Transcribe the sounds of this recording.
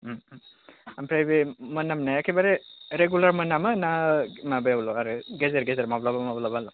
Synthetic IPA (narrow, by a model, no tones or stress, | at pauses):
ampʰɾajbemənːamnajakʰebaɾeɾeɡjulaɾmənːamɯnamabajawlɔaɾɯɡezeɾɡezeɾmablabamablabalɔ